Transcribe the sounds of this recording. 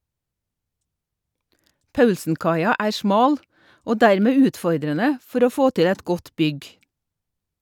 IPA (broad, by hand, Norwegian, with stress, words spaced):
ˈpɑʉlsn̩ˌkɑɪɑ ˈæːɾ ˈsmɑːl ˈoː ˈdæɾˌmeː ˈʉːtˌfɔɾdɾənə ˈfɔɾ ˈoː ˈfoː ˈtɪ ˈɛt ˈɡɔt ˈbʏɡ